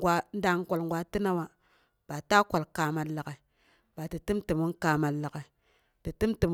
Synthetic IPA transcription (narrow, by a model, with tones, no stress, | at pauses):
ɡʷa˦n˦da˦ŋ˦ko˨lŋ˨ɡʷa˦ti˦na˦wa˦ | b̥a˨ta˦kʷa˨lkaː˨ma˨lːa˨ke˨ | b̥a˨ti˨ti˦mti˨mu˦kaː˨ma˨lːa˨ke˨ | ti˨ti˦mti˨m˦